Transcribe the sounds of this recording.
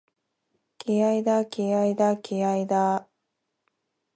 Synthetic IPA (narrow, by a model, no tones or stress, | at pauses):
keaid̪akeaid̪akʲeaid̪a